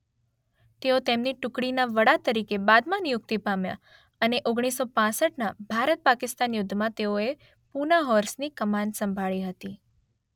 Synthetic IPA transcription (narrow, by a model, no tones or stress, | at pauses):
t̪eot̪emniʈʊkɽinaʋəɽat̪əɾikebad̪mãnijʊk̚t̪ipamja̰ | əneʔoɡɽ̃isːopãsəʈnabʱaɾət̪̚pakɪst̪anjʊd̪ʱːmãt̪eoe | punaɦɔɾsnikəmãnsəmbʱaɭiɦət̪i